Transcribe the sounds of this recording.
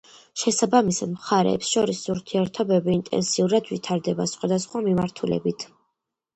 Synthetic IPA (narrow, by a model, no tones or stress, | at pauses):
ʃɛsabamisad̪mχaɾɛ̰ːpsʃɔɾisuɾt̪ʰiɛɾt̪ʰɔbɛbiːnt̪ʼɛ̰nsiuɾad̪vit̪ʰaɾd̪ɛbasχwad̪asχwamimaɾt̪ʰulɛ̰bit̪ʰ